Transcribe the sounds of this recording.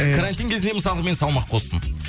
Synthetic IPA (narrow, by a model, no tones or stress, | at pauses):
kʰaɾant̪ʲijŋkʲʰe̞zɪne̞məsɑlˠəʁəme̞nsɑlˠmɑqʰo̞st̪əm